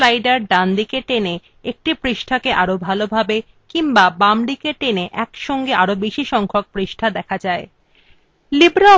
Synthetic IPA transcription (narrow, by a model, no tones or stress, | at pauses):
lajɖaɾɖand̪ikeʈene | ek̚ʈipɾiʃʈʰakeʔaɾobʱalobʱabe | kiŋbabamɖikeʈeneʔɛkʃɔŋɡeaɾobiʃiʃɔŋkʰok̚pɾiʃʈʰad̪ɛkʰad͡ʑae | libɾa